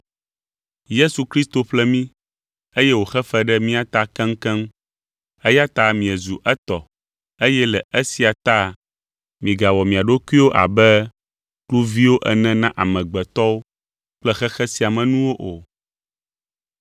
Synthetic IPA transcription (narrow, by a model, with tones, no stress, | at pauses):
je˦su˨kɾi˦st̪o˨ɸlɛ˦mĩ˦ | e˦jɛ˦wo˨xɛ˦fɛ˦ɖɛ˦mĩ˦a˦t̪a˦kɛ̃˦ŋ̩˦kɛ̃˦m | e˦ja˦t̪a˦mĩ˨ɛ˨zu˨ʔɛ˦t̪ɔ˨ | e˦jɛ˦lɛ˨e˦si˨a˨t̪a˦˨ | mĩ˨ɡa˨wɔ˨mĩ˨a˨ɖo˦ku˦i˦wo˦ʔa̰˨bɛ˦ | klu˦vi˦wo˦ʔɛ˦˨nɛ̃˦nã˦ʔa˨mɛ̃˨ɡ͡bɛ˨t̪ɔ˦wo˦ | k͡plɛ˦xɛ˦xɛ˦si˨a˨mɛ̃˨nũ˦wo˦ʔo˨